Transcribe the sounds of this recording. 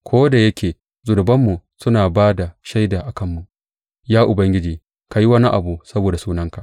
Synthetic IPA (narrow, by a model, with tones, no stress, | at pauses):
kʷʰoː˦da˨jɐ˦kʲeː˨ | zʊ˨ɾʊ˨bɐ˦mːu˨sʊ˦naː˨baː˦da˨ʃa˦jdaː˨ʔa˨kɐ˦˨mːu˨ʔ | jaː˦ʔʊ˨bɐ˦ŋɡʲɪ˦d͡ʒiː˨ | ka˨ji˦wɐ˦ni˦ʔa̰˨bu˦sɐ˦boː˨da˨suː˦nɐ˦ŋka˨ʔ